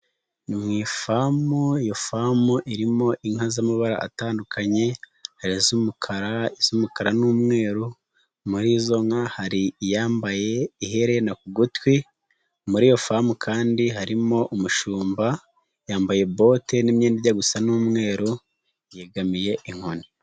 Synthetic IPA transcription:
nimŋiːfamujofamuʔiɾimo̞ʔiŋ̥azamaβaɾa̰ʔa̰taːndukʰaɲe̞ | haɾizumukʰaɾaiz̥umukaɾanuːmŋe̞ːɾu | muɾizo̞ŋahaɾijaːmbaje̞iɦe̞ɾenakuɡutwi | muɾiːjo̞famukʰaːndiɦaɾimo̞ʔumuʃuːmba | jaːmbaje̞bo̞te̞nimɲeːndiɾɟaɡusanumŋe̞ːɾo | jeɡamije̞ʔiŋ̥honi

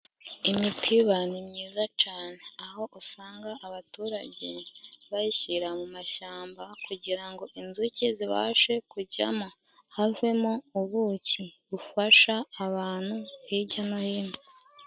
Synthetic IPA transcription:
imitʰiβanimɲiːzat͡ʃaːne̞aɦo̞ʔusaːŋɡaʔaβatuːɾaɟeβajiçiɾamumaʃaːmbakuɟiɾaŋɡo̞ʔinzuciziβa̰ːʃe̞kuɟa̰mo̞ | have̞mouβuciβufaʃaːβaːn̥huhiɟanojino

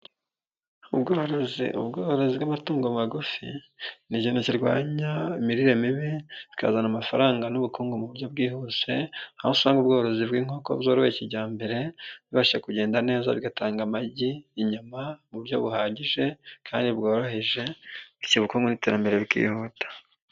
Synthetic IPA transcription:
ubɡoːɾozḭʔṵbɡoːhoɾo̞ziβɡamatuːŋɡomŋaɡufḭ | niɟinociɾɡwa̰ːɲaimiɾiɾemiβii̥ka̰zanamafaɾaːŋɡanuβukuːŋɡomuβuɾjo̞b̚ɡiːhuse̞ahosβaːŋɡubɡo̞ːɾo̞ziβɡwiːŋ̥o̞ːko̞̰βzo̞ːɾoheciɟaːmbe̞ɾe̞βiβaʃakuɟe̞ːndane̞ːza̰βɡataːŋɡamaɟiːɲumamuβuɾjo̞βuhaːɟiʒe̞kʰaːndibɡo̞ːɾo̞he̞ʒe̞iciβukuːŋɡoniteɾambe̞ɾe̞βikḭːhutḁ

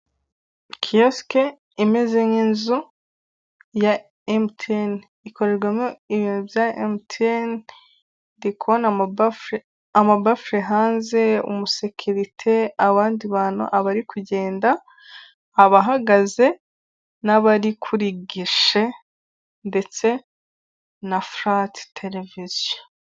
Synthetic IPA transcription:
kʰijoske | imezeŋinzu | ja | emtʰen | iko̞ɾe̞ɾɡwemjoiβiːnuvjaḛmtʰen | dikʰona | amabafɾeɦaːnze̞ṵmuse̞cʰuɾitʰe̞aβaːndiβaːnṵʔaβaɾikuɟe̞ːndaː | βaɦaɡaze̞ | naβaɾikʰuɾiɡiʃe̞ | nde̞t͡se̞ | nafɾattʰelevizjo

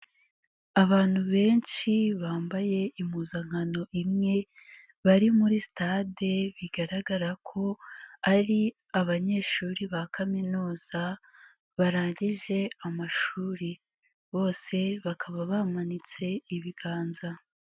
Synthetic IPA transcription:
aβaːn̥huβe̞ːnʃiβaːmbaje̞imuzaŋ̥hano̞ʔimŋe̞ | βaɾimuɾistade̞βiɡ̥aɾaɡaɾakʰo̞aɾi | aβaɲe̞ːʃuːɾiβakʰaminuːz̥a | βaɾaːɲɟiʒe̞amaʃuːɾi | βo̞ːse̞βakʰaβaβamanit͡se̞iβiɡaːnza

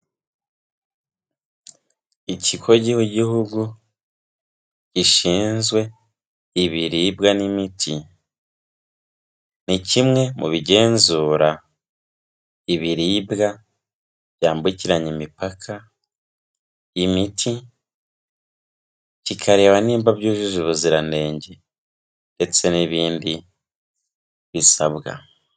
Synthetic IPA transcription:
icʰikʰo̞ɟihuɟihuɡu | ciʃiːnzɡwe̞ | iβiɾiːbɡanimitʰi | nicimŋe̞muβiɟe̞ːnzuːɾa | iβiɾiːbɡa | bjaːmbuciɾaɲimipakʰa | imitʰi | cikʰaɾe̞ːwaniːmbabjuːʒuzuβuziɾane̞ːɲɟe | nde̞t͡se̞niβiːndi | βisaβɡa̰

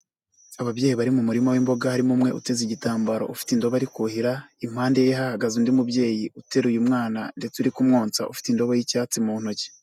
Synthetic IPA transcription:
aβabje̞ːjiβaɾimumuɾimowiːmbo̞ɡahaɾimumŋe̞ʔṵte̞ziɟitaːmbaɾo̞̰ufi̥tindo̞βaɾikuhiɾaim̥haːndejeɦahaɡazindimubje̞ːjiute̞ɾujumŋaːnande̞t͡suɾikumŋoːnt͡sa̰ʔufi̥tindo̞βojicaːt͡simun̥oce̥

